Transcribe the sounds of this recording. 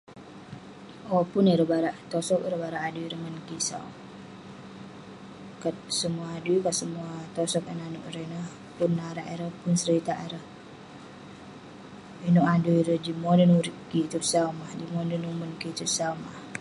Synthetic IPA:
opʊniɾəhbaɾaʔt̪ɔsɔkiɾəbaɾaʔaduiɾəŋənkisa̰w̰ | kat̪̚səmuaːduikasəmuat̪ɔsɔk̚ənanuʔɾənəh | punːaɾaʔeɾəhpʊnsəɾit̪aʔeɾəh | inuʔaduiɾəd͡ʒimonənuɾikit͡ʃ̪up̚saumahdimondənumənkit͡ʃ̪up̚saumah

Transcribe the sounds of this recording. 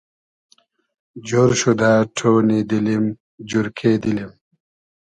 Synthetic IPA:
d͡ʑoɾɕud̪aːʈʰoːnid̪ilim | d͡ʑuɾkʰeːd̪ilim

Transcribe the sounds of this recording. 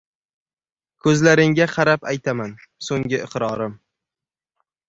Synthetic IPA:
kʰɵzlaɾɪŋɡʲaqʰɑɾapajt̪ʰaman | soŋɡʲɪʔɨqɾɒɾɪm

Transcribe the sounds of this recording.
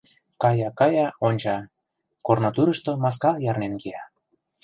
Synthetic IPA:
kɑjɑkɑjɑonʲt͡ɕɑ | kornot̪uɾə̆ʃt̪omɑs̬kɑjɑrnenkejɑ

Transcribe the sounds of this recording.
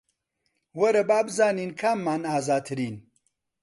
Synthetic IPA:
wɐɾɐbaːbɨzaːniːnkʰaːmːaːnaːzaːt̪ʰɨɾiːn

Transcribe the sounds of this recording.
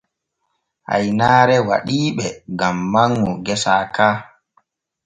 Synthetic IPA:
ʔa̰jnaːɾɛwa̰ɗiːɓɛɡamːaŋːɔɡɛsaːkaː

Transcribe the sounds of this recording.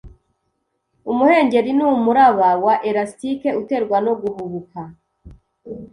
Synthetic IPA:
umuhe̞ːɲɟe̞ɾinuːmuɾaβawaʔeɾastike̞ute̞ɾɡwano̞ɡuβuβuka

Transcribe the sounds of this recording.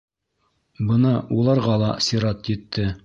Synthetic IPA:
bɤnɑulˠɑɾʁɑlˠɑsiɾɑt̪jɘ̆t̪ːɘ

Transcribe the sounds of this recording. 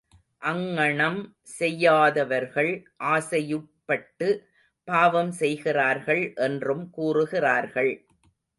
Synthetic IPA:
ʔɐŋːɐɳɐm | sɛjːaːðɐʋɐɾɣɐɭʔaːsɐjɯʈ̚pːɐʈːɯ | paːʋɐmsɛjɣɪraːɾɣɐɭʔɛndrɯmkuːrɯɣɪraːɾɣɐɭ

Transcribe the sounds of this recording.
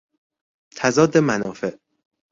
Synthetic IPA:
t̪ʰæzɒːd̪e̞mænɒːfe̞ʔ

